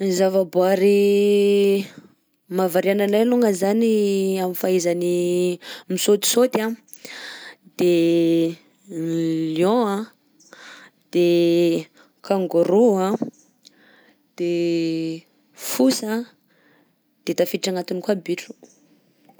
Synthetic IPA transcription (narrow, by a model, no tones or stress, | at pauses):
zavaboaɾi | mavaɾiananajluŋəzaniamifaizani | misot̪i̥sot̪a | d̪̥e | ljõa | d̪̥e | kʰaŋɡoɾua | d̪̥e | fusa | d̪̥et̪afiʈ͡ʂaŋat̪unikwabiʈ͡ʂu̥